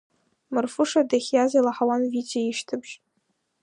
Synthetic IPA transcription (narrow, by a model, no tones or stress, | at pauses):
mɨrfɨʂadaχʲjazalaħawanvit͡ʃʰʼaiʃtʰɨbʒ